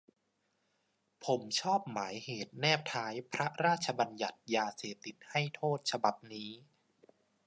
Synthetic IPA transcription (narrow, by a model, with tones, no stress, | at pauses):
pʰo˩˦mt͡ɕʰɔː˥˩p̚maː˩˦jheː˨˩t̪̚nɛː˥˩p̚t̪ʰaː˦˥jpʰɾa˦˥ɾaː˥˩t̪̚t͡ɕʰa˧ba˧nja˨˩t̪̚jaː˧seː˨˩p̚t̪i˨˩t̪̚ha˥˩jt̪ʰoː˥˩t̪̚t͡ɕʰa˧ba˨˩p̚niː˦˥